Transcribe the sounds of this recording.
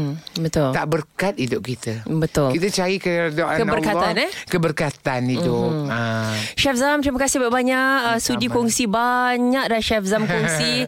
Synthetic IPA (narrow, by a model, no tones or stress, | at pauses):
bət̪ʊlt̪aʔbərkat̪̚idʊp̚kit̪əbət̪ʊlkit̪ət͡ʃaɾikədaʔakənbərkaankəbərkat̪anidʊaʃɛfzamt̪ɾimakasɪhbaʔbaɲaʔəsud͡ʒikɔŋsibaɲak̚danʃɛfzamkɔŋsi